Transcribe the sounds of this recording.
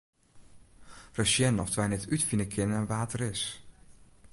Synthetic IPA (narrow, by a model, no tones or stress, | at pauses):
rəʃjɛnɔftʰʋɛnɛtʰytfinəkʰɪnəəʋaːtəɾɪs